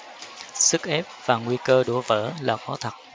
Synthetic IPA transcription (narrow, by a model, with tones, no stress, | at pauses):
sɨ˦˥k̚ʔɛ˦˥p̚vaː˨˩ŋwi˧kəː˧ɗṵ˧˩əvə̰ː˧˩˥laː˨˩xɔ˨˦t̪ʰə˨˩t̚